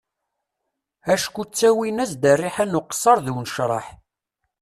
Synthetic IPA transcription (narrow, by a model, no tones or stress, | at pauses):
æʃkut͡sːæwinæzd̪ərːiħænuqsˤːɑɾˤðuwnʃɾˤɑ̰ħ